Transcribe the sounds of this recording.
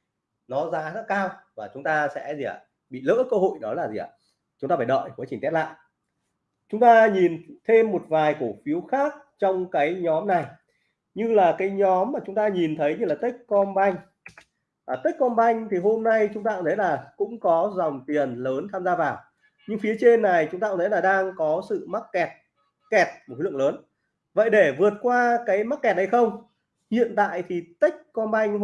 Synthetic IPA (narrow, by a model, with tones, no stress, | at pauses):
nɔ˨˦zaː˨˦zaː˦˥kaː˧wvaː˨˩t͡ɕʊ˨˦ŋ͡mt̪aː˧sɛ̰˧˥zi˨˩a̰˨˩ | ɓḭ˧˨lə̰ː˧˥kəː˧ho̰˧˨jɗɔ˨˦laː˨˩zi˨˩a̰ː˧˨˩ | t͡ɕʊ˨˦ŋ͡mt̪aː˧faː˧˩jɗə̰˧˨jku˧˨˩jt͡ɕï˨˩t̪ɛ˦˥t̚la̰ː˧˨j | t͡ɕʊ˨˦ŋ͡mt̪aː˧ɲi˨˩nt̪ʰe˧mːo˨˩t̚vaː˨˩jko˧˩fi˨˦əwxaː˦˥k̚t͡ɕɔ˧wŋ͡mkaː˨˦jɲɔ˨˦mna˨˩j | ɲɨ˧laː˨˩kaː˨˦jɲɔ˨˦mːaː˨˩t͡ɕʊ˨˦ŋ͡mt̪aː˧ɲi˨˩nt̪ʰə˨˦jɲɨ˧laː˨˩t̪ə˦˥jk̚kɔ˧nɓa˧jŋ̟ | ʔaː˨˩t̪i˦˥k̟̚kɔ˧nɓa˧jŋ̟t̪ʰi˨˩ɦo˧mna˧jt͡ɕʊ˨˦ŋ͡mt̪aː˧˩t̪ʰə˨˦jlaː˨˩kʊ̰˧˥ŋ͡mkɔ˨˦zɔ˨˩wŋ͡mt̪i˨˩ənləː˨˦nt̪ʰaː˧mzaː˧vaː˨˩w | ɲɨ˧ŋfi˨˦ət͡ɕe˧nːa˨˩jt͡ɕʊ˨˦ŋ͡mt̪aː˧t̪ʰə˨˦jlaː˨˩ɗaː˧ŋkɔ˨˦sɨ̰˧˨ma˦˥k̚kɛ˨˩t̚ | kɛ˨˩t̚mo˨˩˦lɨ̰˧˨ləː˨˦n | və̰˧˨jɗe˧˩vɨ˨˩ət̚kwaː˧kaː˨˦jma˦˥k̚kɛ˨˩t̚nha˧˩jxə˧wŋ͡m | hḭ˧˨ənt̪a̰ː˧˨jt̪ʰi˨˩t̪i˦˥k̟̚kɔ˧nɓa˧jŋ̟